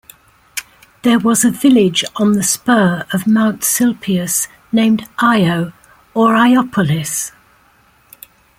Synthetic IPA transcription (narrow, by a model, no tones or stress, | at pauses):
ðəwɒzəvɪlɪd͡ʒn̩ðəspɜːɹəvmãʊ̃ntsɪlˠpʰiəs | nẽɪ̃mdaɪəʊ | əɹaɪɒpʰəlɪs